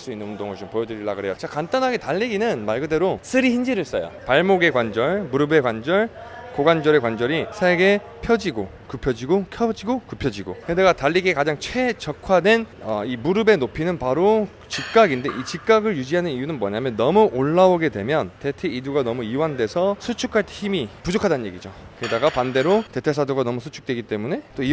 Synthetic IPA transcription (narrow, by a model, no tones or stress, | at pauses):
ɭs͈uinːɯnundoŋɯɭt͡ɕompojʌd͡ʑɯɾiɭːa̰ɡɯɾɦejot͡ɕakant͈anɦaɡetaʎːiɡinɯnmaɭɡɯde̞ɾosʰɯɾiçind͡ʑiɾɯɭs͈ʌ̰jo̰paɭmoɡe̞kwand͡ʑʌɭmuɾɯbe̞kwand͡ʑʌɭ | koɡwand͡ʑʌɾe̞kwand͡ʑʌɾisʰeɡe̞ | pʰjʌd͡ʑiɡo | kɯpʰjʌd͡ʑiɡokʰjʌd͡ʑiɡokɯpʰjʌd͡ʑiɡo̰hedeɡataʎːiɡekad͡ʑaŋt͡ɕʰwe̞t͡ɕʌkʰwadwe̞nʌ̰imuɾɯbe̞nopʰinɯnpaɾo | t͡ɕik̚k͈aɡinde̞̰ʔit͡ɕik̚k͈aɡɯɭjud͡ʑiɦanɯnijunɯnmwʌ̰ɲamjʌnːʌmuʔoɭːaoɡe̞dwe̞̰mjʌnte̞tʰeiduɡanʌmuiwandwe̞sʰʌsʰut͡ɕʰukʰaɭtʰeçimipud͡ʑokʰadanɯnɲje̞ɡid͡ʑo̰kɯedaɡapande̞ɾote̞tʰe̞sʰadoɡanʌmusʰut͡ɕʰu̥k̚t͈we̞ɡit͈e̞mune̞t͈oi